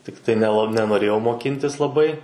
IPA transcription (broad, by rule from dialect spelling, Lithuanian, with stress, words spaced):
ˈtʲɪktɐɪ nʲɛˈlˠɐ nʲɛnoːˈrʲeːjɛʊ moːˈkʲɪnʲtʲɪs lˠɐˈbɐɪ